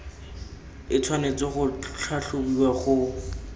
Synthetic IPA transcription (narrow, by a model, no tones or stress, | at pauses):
ɪt͡sʰwanet͡seχʊt͡ɬʰaɬʊbiwaχʊ